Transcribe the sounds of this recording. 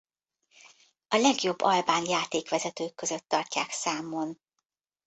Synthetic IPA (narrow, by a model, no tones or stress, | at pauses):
ɒlɛɡjo̞bːɒlbaːnjaːt̪eːkʋɛzɛt̪øːkːøzøt̪ːɒrcaːksaːmo̞n